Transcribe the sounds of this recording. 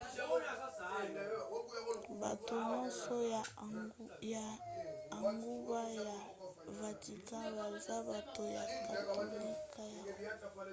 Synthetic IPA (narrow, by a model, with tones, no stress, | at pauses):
ba̰˨to˨mɔ˦nsɔ˦˨ | aː˨ | ŋɡu˦ba˦ja˨va˨ti˨kã˦ba˨za˦ba˨to˨ja˨ka˨to˨li˦kʰa˦ja˨˦˨